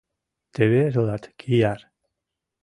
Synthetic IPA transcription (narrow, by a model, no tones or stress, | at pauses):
t̪eβezoðat̪kʰiaɾ